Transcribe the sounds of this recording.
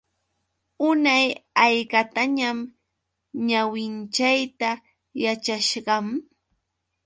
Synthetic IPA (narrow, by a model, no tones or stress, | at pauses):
ʊnajajkat̪aɲam | ɲawɪnt͡ʃajt̪a | jat͡ʃaʃɢɑm